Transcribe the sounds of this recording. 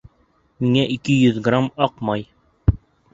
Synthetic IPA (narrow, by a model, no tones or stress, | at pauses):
miŋæʔikɘjɵðɡramɑqmɑj